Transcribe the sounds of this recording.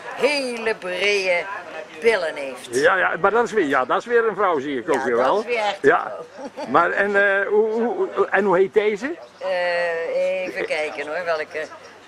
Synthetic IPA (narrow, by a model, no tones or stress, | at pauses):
hejləbrejəb̥ɪləneftjajamadɔtɪsʋɪjadɔtɪsʋɪəɾənvrɔwziːɪkowkʋəʋɛlˠʋja̰marɛnuuɛnhuhejt̚dejzə | evəkɛjkənonʋɛlˠkə